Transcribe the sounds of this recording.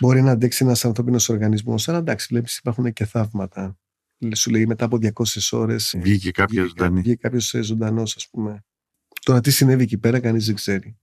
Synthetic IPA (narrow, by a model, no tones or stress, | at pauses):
bo̞ɾinɐːnd̪eksienɐsɐnθɾo̞pino̞so̞ɾɣɐnizmo̞̰sɐlɐd̪ɐksi̥leipi̥si̥pɐɾxunece̞θɐvmɐt̪ɐ | sule̞ime̞t̪ɐːpo̞ðʝɐko̞seso̞ɾe̞svʝicekɐpɐzond̪ɐniʝikɐpço̞sezo̞nd̪ɐno̞sɐsp̚ume̞ | t̪o̞ɾɐt̪isine̞viecipe̞ɾɐkɐnizðeɡz̥e̞ɾi